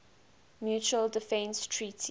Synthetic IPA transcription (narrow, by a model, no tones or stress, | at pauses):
mjuːt͡ʃuəldɪfɛ̃nstʰɹiːtʰi